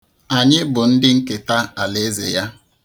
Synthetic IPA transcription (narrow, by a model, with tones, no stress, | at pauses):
a˨ɲɪ˦bʊ˨n̩˦dɪ˦ŋ̩˦ke˨ta˦a˨le˨˦zḛ˨ja˦